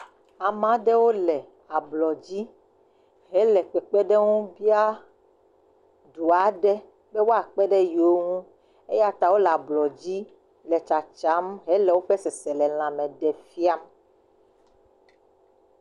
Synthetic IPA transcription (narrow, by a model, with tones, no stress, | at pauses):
a˨mã˨˦ɖe˦wo˦lɛ˨ | a˨blɔ˨d͡ʑi˦ | ɦɛ˨˦lɛ˨k͡pɛ˨k͡pɛ˦ɖe˦ŋũ˦bi˦a˦ | ɖu˨a˨ɖɛ˦ | be˦wo˦a˨k͡pɛ˦ɖe˦jo˦ŋũ˦ | e˦ja˦t̪a˨wo˦lɛ˨a˨blɔ˨d͡ʑi˦ | le˨t͡ʃa˨t͡ʃa˨˦mɦɛ˦lɛ˨wo˦ɸe˦sɛ˨se˨lɛ˨l̃ã˨mɛ̃˨ɖɛ˨fi˦a˦m